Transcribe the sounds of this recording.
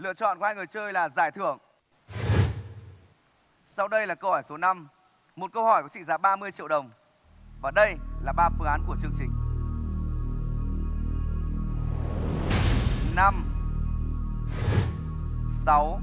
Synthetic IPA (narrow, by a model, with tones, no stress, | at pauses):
lɨ̰˧ət͡ɕɔ̰˧˨nkaː˧jŋɨ˨˩əjt͡ɕəː˧jlaː˨˩zaː˧˩jt̪ʰɨ˧˩əŋ | sa˧wɗə˧jlaː˨˩kə˧whɔ˧˩jso˨˦na˧m | mo˨˩t̚kə˧whɔ˧˩jkɔ˨˦t͡ɕḭ˧˨zaː˨˦ɓaː˧mɨ˧əjt͡ɕḭ˧˨əwɗə˨˩wŋ͡m | vaː˨˩ɗə˧jlaː˨˩ɓaː˧fɨ˨˦ŋaː˨˦nku˧˩ət͡ɕɨ˧əŋt͡ɕï˨˩ŋ̟ | na˧m | sa˨˦w